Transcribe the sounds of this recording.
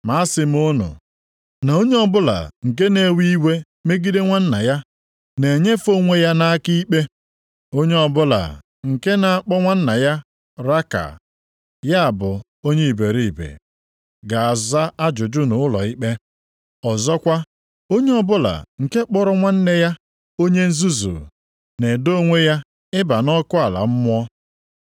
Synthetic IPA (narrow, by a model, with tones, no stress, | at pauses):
ma˨˦a˦sɪ˨m˦ʊ˦nʊ̰˨ | na˨o˦ɲe˦ɔ˨bʊ˦la̰˨ŋ̩˨k̬e˦ne˨˦wi˦i˦we˦ | me˦ɡi˦de˦ŋʷa˦n̩˦na̰˨ja˦ | ne˨ɲe˦fo˦ŋʷe˨ja˦na˦a˦ki˦i˦k͡pe˦ | o˦ɲe˦ɔ˨bʊ˦la̰˨ | ŋ̩˨ke˦na˨a˦k͡pɔ˦ŋʷa˦n̩˦na˨ja˦ | ɾa˦ka̰˨ | ja˦a˨bʊ˨ | o˦ɲe˦i˨be˨ɾi˨i˨bḛ˨ | ɡa˨a˨za˦a˦d͡ʒʊ˨d͡ʒʊ˦nʊ˨ʊ˦lɔ̰˨i˦k͡pe˦ | ɔ˨zɔ˦kʷa˦ | o˦ɲe˦ɔ˨bʊ˦la̰˨ŋ̩˨ke˦k͡pɔ˦ɾʊ˦ŋʷa˦n̩˦ne˦ja˦ | o˦ɲe˦n̩˦zu˦zṵ˨ | ne˨do˦ŋʷe˦ja˦ | ɪ˦ba˨nɔ˦kʊ˦a˨la̰˨m̩˦mʊ˦ɔ˦